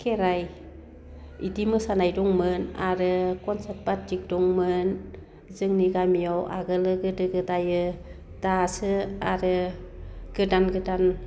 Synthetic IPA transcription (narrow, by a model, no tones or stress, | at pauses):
kʰeɾaj | idimɯsanajdɔŋmɯnaɾɯkɔnsat̚pat̚d͡ʒik̚dɔŋmɯn | zɯŋniɡamijawa̰ɡɯlɯɡɯdɯɡɯdajɯ | d̥asɯaɾɯ | ɡ̥ɯdanɡɯdan